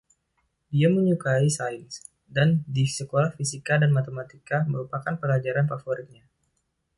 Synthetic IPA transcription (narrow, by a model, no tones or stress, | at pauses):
diaməɲukaisajins | dandisəkolahfisikadanmat̪emat̪ikaməɾupakanpəlad͡ʒaɾanpafɔɾit̪̚ɲa